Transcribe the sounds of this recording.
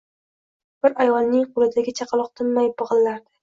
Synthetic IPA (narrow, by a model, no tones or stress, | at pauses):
b̥ɪɾajɒlˠnɪŋqʰolˠɪd̪aɡʲɪt͡ʃʰɑqʰɑlˠɒq̚t̪ʰɪmmajbɨʁɨlːaɾd̪ɪ